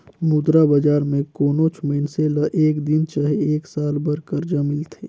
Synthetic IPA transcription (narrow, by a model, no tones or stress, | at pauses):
mʊd̪ɾabəd͡ʒaːɾmẽkoːnot͡ʃʰməɪnseləʔeːkd̪ɪnt͡ʃaɦeeːksaːlbəɾkəɾd͡ʒamɪlt̪ʰeː